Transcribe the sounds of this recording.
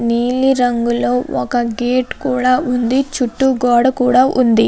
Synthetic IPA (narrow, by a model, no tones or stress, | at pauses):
niːliɾɐŋɡulɐɔkɐɡeːʈkuːɽɐund̪it͡ʃuʈːuɡɔːɽkuːɽɐʔund̪i